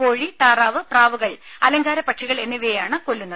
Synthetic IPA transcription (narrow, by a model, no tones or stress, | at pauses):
ko̞ːɻit̪aːraːʋɨpraːʋuɣɐɭɐ̰lɐŋɡaːɾɐpɐʈʂiɣɐɭe̞nːiʋeːjaːɳɨkolːunːɐð